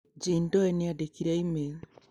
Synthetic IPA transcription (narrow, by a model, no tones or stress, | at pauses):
d͡ʒindɔɛniadekiɾɛime